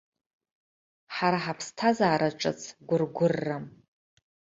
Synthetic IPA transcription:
ħaɾaħapʰstʰazaːɾʔaʈ͡ʂʼɨ̰t͡sʰɡʷʊrɡʷʊrːam

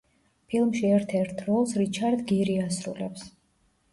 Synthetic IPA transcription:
pʰilˠmʃiɛɾt̪ʰɛɾt̪ʰɾɔlˠsɾit͡ʃʰaɾd̪ɡiɾiasɾṵlɛ̰ps

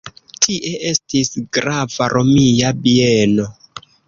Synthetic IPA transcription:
tʰiʔe̞e̞stisɡɾavaɾʔo̞mijabieno̞

